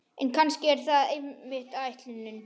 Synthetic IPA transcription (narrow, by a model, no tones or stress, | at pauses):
ɛnkʰanscɪɛɾ̥θaðejɪht̪avajht̪lʏnːʏn